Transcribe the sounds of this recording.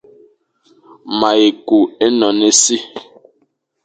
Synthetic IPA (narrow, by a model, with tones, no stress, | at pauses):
ma˨je˨ku˨e˦nɔ˨ne˦si˦